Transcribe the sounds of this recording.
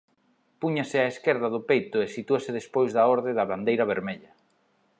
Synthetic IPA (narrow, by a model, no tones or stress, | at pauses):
puɲasɪaeskeɾðɐðʊpejt̪ʊesit̪uasɪðespojzðɐɔɾðɪðɐβand̪ejɾɐβ̞eɾmeʎɐ